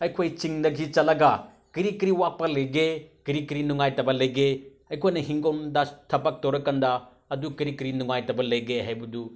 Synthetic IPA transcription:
ɐjkʰojt͡ʃiŋdɐɡit͡ʃɐlɐɡɐ | kiɾikiɾiwak̚pɐlɐjɡekiɾikiɾinuŋajtɐbɐlɐjɡe | ɐjkʰojnɐɦiŋɡondɐtʰɐbɐk̚towɾɐkɐndɐː | dukiɾikiɾinuŋajtɐbɐlɐjɡeɦajbɐdu

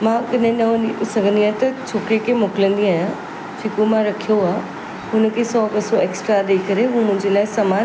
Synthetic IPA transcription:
mãːkɐɗɦɪ̃nɐ̃isɐɡʱə̃nd̪iaːt̪ɐt͡ɕʰoːkɾekʰemoːkɪlə̃nd̪iaːjã | d͡ʑekõmãɾɐkʰijoaː | ɦʊnə̆kʰesɔːbɐsoeːksʈɾaɗeːkɐɾeɦũmʊ̃ɦɪ̃ɲd͡ʑelaːɪsɐmaːn

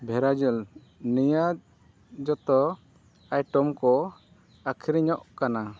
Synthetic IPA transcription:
bʱɛɾad͡ʒɔl | nija | d͡ʒɔt̪ɔ | ajʈɔmkɔ | akʰiɾiɲɔʔkana

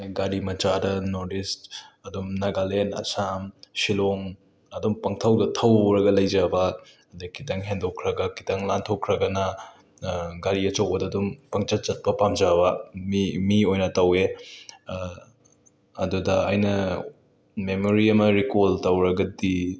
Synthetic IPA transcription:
ɡaɾimɐt͡ʃadɐnoɾdistɐdumnɐɡalenɐ̰samsiloŋ | ɐdumpɐŋtʰɐwdɐtʰɐwɾɐɡɐlɐjd͡ʒɐbɐ | ɐdɐkʰitɐŋɦendokʰɾɐɡɐki̥tɐŋlantʰokʰɾɐɡɐnɐ | ɡaɾiɐt͡ʃɐwbɐdɐːdumpɐŋt͡ʃɐt͡ʃɐt̚pɐpamd͡ʒabɐmimiojnɐtɐwe | ɐdudɐajnɐ | memoɾiɐmɐɾikoltɐwɾɐɡɐdi

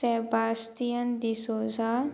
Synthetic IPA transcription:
ɛbaːst̪ijənd̪isoza

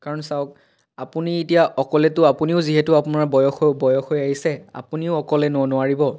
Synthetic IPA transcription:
kaɹɔnsaʊk | apunietijaʔɔkɔlɛtʊapuniʊziɦɛtʊapʊnaɹbɔjɔxbɔjɔxojaɦisɛa̰puniʊɔkɔlɛnʊanʊwaɹibɔ

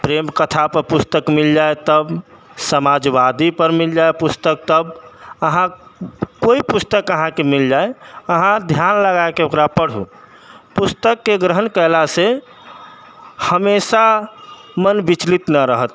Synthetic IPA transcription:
pɾemkət̪ʰapəɾpust̪əkmild͡ʒaet̪əb | səmad͡ʒʋad̪ipəɾmild͡ʒaepust̪ək̚t̪əbəɦãkoipust̪əkəɦãkemild͡ʒaeəɦãd̪ʱjanləɡaekeokɾapəɽ̤ɦṵ | pust̪əkːeɡɾəɦənkəlase | həmesa | mənbit͡ʃlit̪nəɾəɦət̪

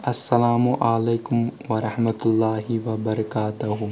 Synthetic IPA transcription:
ʔɐsːɐlaːmuʔaleːkʊmʋɐɾɐħmɐt̪ʊlːaːɦiʋɐbɐɾɐkaːt̪ɐɦʊ

